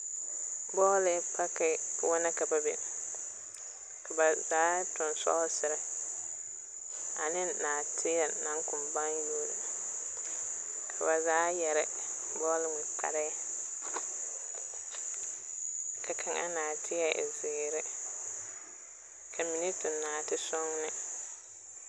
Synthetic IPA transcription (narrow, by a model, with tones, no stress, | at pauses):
bɔː˦lɪ˨˦k͡pa˦kɪ˨˦wɔ˦na˦ka˨ba˦bḛ˨ | kʰa˨ba˨zaː˦tʊ˨nsɔ̰˦sɪ˨ɾɪ˦ | a̰˨nɪ˦nnaː˨tʰɪ˦ja˨nã˨˦ŋkʊ˨mba˦ŋ˦joː˦ɾɪ˨ | kʰa̰˨ba˨zaː˦jɛ˨ɾɪ̰˦ | bɔː˦lɪ˦ŋɪ˨k͡pa̰˨ɾɛ˦a˦ | ka˨kʰã˨ŋʔa̰˦naː˨tʰɪ˦a˦ʔzɪː˨ɾɪ˦ | kʰa˨mi˨ni˦tɪ˨naː˨tɪ˦sɔ˦ŋnɪ˦